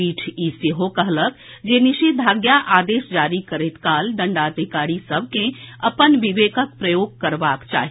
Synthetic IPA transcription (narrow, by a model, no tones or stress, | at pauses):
iːʈʰiːsiɦokəɦlək̪ | d͡ʒeːnɪʃit̪̚d̪bʱaːɡjaʔaːd̪eːʃd͡ʒaːɾikəɾet̪kaːlɖə̃ɳɖaːt̪ekaːɽisəb̚ʱkẽɐpənʋɪʋeːkʰək̚pɾəjoːɡ̚kəɾbaːkt͡ʃa̰ːɦi